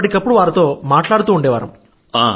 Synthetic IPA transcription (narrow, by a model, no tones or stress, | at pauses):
ɐʈikɐpːuɽuʋaːɾɐt̪o̞ːmaːʈlaːɽut̪uːɳɖɛːʋa̰ːɾɐ̰m | a